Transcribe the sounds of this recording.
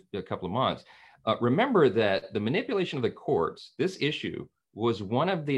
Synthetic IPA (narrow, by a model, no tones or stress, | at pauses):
ɨkʰʌpl̩ˠʌvmʌ̃nθs | ɹʔɨmɛ̃mbə˞ðɨt̪̚ðɨmɨnɪpjɨleɪʃɨ̃nʌvðɨkʰɔ̰ɹtsðɪsɪʃʉ̰ | wʌzwʌ̃ñʌvðɨ